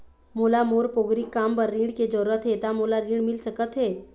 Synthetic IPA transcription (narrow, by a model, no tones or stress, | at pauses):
molamoːɾpoɡɾikːaːmpəɾːĩːɽked͡ʒəɾuɾət̪ɦet̪amolaɾĩɽmɪlsəkət̪ɦeː